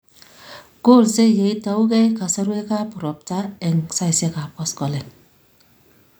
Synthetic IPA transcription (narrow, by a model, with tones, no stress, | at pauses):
ɡ̥o˦˨lse˦je˨i˦ta˨˦u˦ɡɛ˦jka˨sa˦ɾu˦e˦ka˦pu˨ɾɔ˨p̚ta˦ɛ˨ŋsa˦jse˦ka˨pɔ˦skɔ˨lɛ˨n